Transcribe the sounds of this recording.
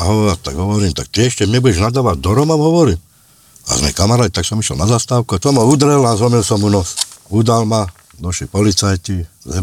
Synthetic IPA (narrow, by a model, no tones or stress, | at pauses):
aɦɔat̪aɡɦɔʋɔɾiːmt̪ak̚t̪iɛʃcɛmɲɛbuɟɛʒnad̪aːʋaɟ̚d̪ɔɾɔmɔmɦɔʋɔɾiːm | a̰zmɛ̰kamaɾaːt̪it̪aksɔmiʃjɛ̰lnazaːst̪aːʊkuasɔmɦɔud̪ɾɛlazɦɔmilsɔmunɔud̪alma | nɔʃipɔlit͡sajcizɛ